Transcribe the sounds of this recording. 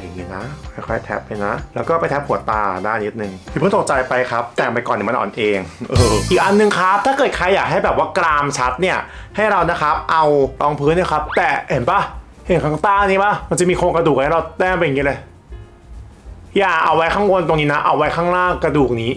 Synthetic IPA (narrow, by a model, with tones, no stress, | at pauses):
ja˨˩ŋːiː˦˥na˦˥kʰɔ˥˩jkʰɔ˥˩jt̪ʰɛ̰˦˥p̚ːa˧jna˦˥lɛː˦˥wkɔː˥˩pa˧jt̪ʰɛ˦˥p̚hu˨˩˦ɐt̪a̰ː˧daː˥˩nni˦˥t̪̚nɯ˨˩ŋʰi˧˩pʰɯ˥˩t̪o˨˩t͡ɕa˧jpa˧jkʰa˦˥p̚t̪ɛː˨˩˨mpa˧jkɔː˨˩niː˦˥ma˧nʔːnʔeː˧ŋʔɤː˧ʔiː˨˩k̚ʔa˧nːɯ˨ŋkʰa˦˥p̚t̪ʰaː˥˩kɤː˨˩t̪̚kʰa˧jːaː˨˩k̚ɦa˥˩jbɛː˨˩p̚waː˥˩kɾaː˧mt͡ɕʰa˦˥t̪̚ni˥˩ɐ | ha˥˩jɾa˧wna˦˥kʰa˦˥p̚ʔa˧wlɔː˧˥ŋpʰɯː˦˥nːi˥˩kʰa˦˥p̚t̪ɛː˨˩he˩˦nba˦˥˩ | he˨˩ŋkʰaː˥˩ŋt̪aː˥˩ŋniː˧˥˩ba˦˥˩ma˧nt͡ɕa˨˩miː˧kʰoː˧nkɾa˧du˨˩k̚ɾa˧t̪ɛː˥˩pa˧ja˨˩ŋːiː˦˥lɤ˧j | jaː˨˩ʔa̰˧wa˦˥jkʰaː˥˩ŋwo˧nt̪o˧ŋniː˦˥na˦˥ʔa̰˧wa˦˥jkʰaː˥˩ŋɾaː˥˩ŋkɾa˧duː˨˩k̚niː˦˥